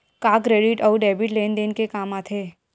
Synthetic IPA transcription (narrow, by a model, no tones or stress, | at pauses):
kaːkɾeːɖɪʈɔːɖɛːbɪʈleːnd̪eːnkekaːmaːt̪ʰeː